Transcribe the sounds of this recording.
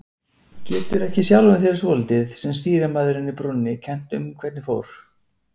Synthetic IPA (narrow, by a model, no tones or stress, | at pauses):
cɛːt̪ʏɾɛhcɪsjawlvʏnθjɛɾɪsvɔlt̪ɪðsɛmst̪iːɾamaðʏɾɪnːɪpɾʊnnːɪcʰɛn̥t̪ʏ̰mkʰvɛt̪nɪfowɾ̥